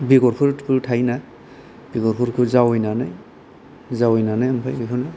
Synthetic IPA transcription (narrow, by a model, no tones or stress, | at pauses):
biɡɔɾkʰuɾkʰɯɾtʰajna | b̥iɡɔɾkʰuɾkʰuzawɔjnanaj | zawɔjnanajampʰajikʰɔna